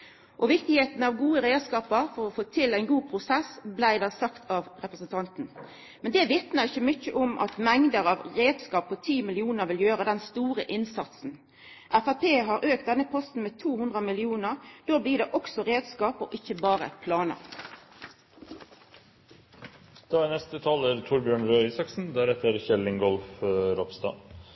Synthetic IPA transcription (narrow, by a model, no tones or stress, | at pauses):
ʔɔʋɪkt̪ɪheːt̪n̩ɑʋɡuːəɾeːskɑːpəʁfɔʁɔfoːt̪ʰɪlæɪnɡuːpʰʁʊsɛsblæɪd̪ɑːsɑkt̪ʰɑʋʁɛpʁəsnt̪ʰɑnt̪n̩ | mɛnd̪ɛːʋɪt̪nəʁɪçəmʏçəʔʊmʔɑ̰t̪mɛŋd̪əʁɑʋʁeːd̪skɑːp̚pʰːɔt̪ʰiːmɪlɪuːnəʁʋɪljøːʁəd̪ɛnst̪uːʁəʔɪnsɑt̪sn̩ | ʔæfæpʰeːɦɑʁʔøːk̚t̪̚d̪ɛnːəpʰɔst̪n̩meːt̪ʰuːhʉnd̪ʁəmɪlɪuːnəʁd̪̥oːbliːɖ̪eːʔɔksɔʁeːd̪skɑːpɔ̰ʔɪçːəbɑːʁə̰pʰlɑːnə̰ | d̪̥ɑːænɛst̪ət̪ʰɑːləɾt̪ʰʊɾbjøːɳɾøːɪsɑksn̩d̪æːɾɛt̪əɾçɛlɪŋɡɔlfɾɔpst̪ɑ̰ː